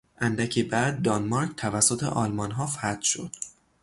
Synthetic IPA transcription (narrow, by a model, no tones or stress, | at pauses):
ʔænd̪æcʰebæd̪̚ːɒnmɒɾcʰt̪ʰævæsːot̪ʰe̞̰ʔɒːlmɒnɦɒːfæt̪ʃod̪̥